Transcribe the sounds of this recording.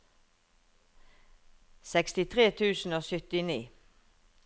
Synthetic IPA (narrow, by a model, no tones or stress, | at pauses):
sɛkst̪ɪt̪ʰʁeːt̪ʰʉːsn̩oːsʏt̪ɪniː